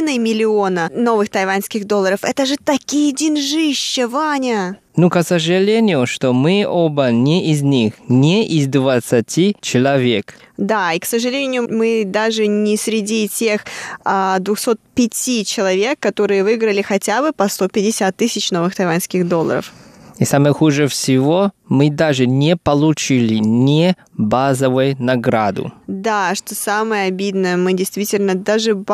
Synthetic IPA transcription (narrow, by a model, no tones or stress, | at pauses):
nəjmʲɪlʲɪo̞nəno̞vɨxt̪ɐjvanʲskʲɪɣd̪o̞lˠːəɾəfɛt̪əʐɨt̪ɐkʲijdʲɪnʐɨɕːɪvanʲə | nukəsəʐɨlʲenʲɪjʊʂt̪omɨobənʲeʔɪzʲnʲixnʲeʔɪzd̪vət̪sɐtʲit͡ɕɪlˠɐvʲekd̪aiksəʐɨlʲenʲɪjʊmɨd̪aʐɨnʲɪsʲɾʲɪdʲitʲe̞xad̪vʊxso̞t̪̚pʲɪtʲit͡ɕɪlˠɐvʲe̞kːɐt̪o̞ɾɨjəvɨɡɾəlʲɪxɐtʲabɨpɐst̪o̞pʲɪdʲɪsʲat̪ːɨsʲɪt͡ɕno̞vɨxt̪ɐjvanskʲɪxd̪o̞lˠːəɾə̰fisaməjəxuʐɨfsʲɪvomɨd̪aʐɨnʲepəlˠʊt͡ɕilʲɪnʲɪ | bazəvʊjʊnɐɡɾad̪ʊ̰d̪aʂt̪osaməjəɐbʲid̪nəjəmɨdʲɪjst̪vʲitʲɪlʲnəd̪aʐɨb